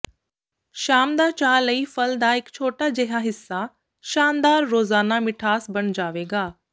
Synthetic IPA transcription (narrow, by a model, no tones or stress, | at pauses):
ʃaːmd̪aːt͡ɕaːlɐifɐld̪aɦɪkt͡ɕʰoːʈad͡ʑɐɦãɦɪsːa | ʃaːnd̪aːɾːoːzaːnamɪʈʰaːsbɐɽ̃d͡ʑaːʋeːɡaː